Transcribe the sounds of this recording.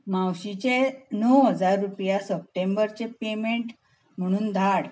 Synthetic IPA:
mawɕit͡ɕenəwɦəd͡zaɾːupjasəp̚ʈembəɾt͡ɕepemeɳʈ | m̤əɽ̃uːnd̪ʱaɽ

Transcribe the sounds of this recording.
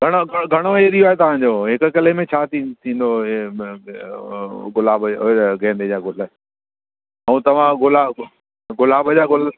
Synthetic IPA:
ɡʱɐɽ̃oɡʱɡʱɐɽ̃oeːɾijoaːɦet̪ɐʋ̤ãɲ̆d͡ʑoːɦɪkə̆kɐlemẽt͡ɕʰaːt̪ʰĩt̪ʰĩːn̆d̪o | ɡʊlaːbɡʱɛ̃ːnd̪ed͡ʑaːɡʊla | ɛ̃ũt̪ɐʋ̤ãɡʊla | ɡʊlaːbəd͡ʑaːɡʊl

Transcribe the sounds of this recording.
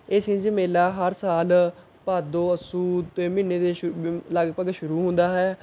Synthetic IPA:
ɪsĩːd͡ʒəmeːlaːɦəɾsaːl | paːd̪oːəsuːd̪t̪eːmiːneːd̪eːləɡpəɡʃʊɾuːɦʊ̃nd̪aːɦɛː

